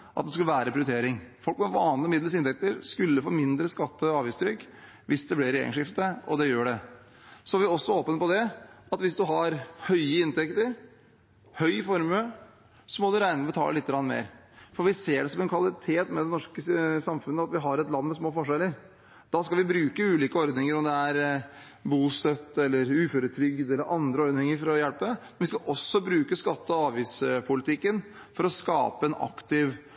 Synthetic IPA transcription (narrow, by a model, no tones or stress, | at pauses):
ʔɑt̪̚d̪ɛskʉləʋæːɾəpʰɾɪʊɾʏt̪eːɾɪŋfɔlkmɛʋɑːnləmɪd̪ləs̬ɪnt̪ɛk̚t̪əɾskʉlːəfo̰ːmɪnd̪ɾəskɑt̪ːəɑːʋjɪst̪ʰɾʏkː | ʋɪsd̪ɛblɪɾḛɪ̰ŋʂɪft̪əɔ̰d̪ɛjøːɖɛ | sɔæɾʋɪɔsːɔoːpənpɔd̪ɛɑt̪ʋɪsd̪ʉɦɑɾhœʏəɪnt̪ɛkt̪əɾ | hœʏfɔɾmʉ | sɔmɔd̪ʉɾæɪnəbət̪ʰɑ̰ləlɪt̪ːəɡɾɑnːəmḛːɾ | fɔɾʋɪseːɖɛsɔmɛnkʰʋɑlɪt̪ʰeːt̪mɛd̪ɛnɔʂkəsɑmfʉnːəɑt̪ʋɪɦɑɾɛt̪lɑnːmɛsmoːfɔʂɛlːəɾ | d̪̥ɑskɑlʋɪbɾʉːkəʉːliːkəɔɾd̪nɪŋəɾɔmd̪ɛæɾ | buːst̪œt̪ːɛlːəɾʉːføːɾət̪ʰɾʏɡd̪ɛlːəɾʔɑnd̪ɾəɔɾd̪nɪŋəɾfɔɾɔjɛlpəmɛnʋɪskɑʔɔsːɔbɾʉːkəskɑt̪ːəɑːʋiːspʰʊlɪt̪ʰɪkːən | fɔɾɔskɑ̰ːpəɛnɑ̰kt̪ɪʋ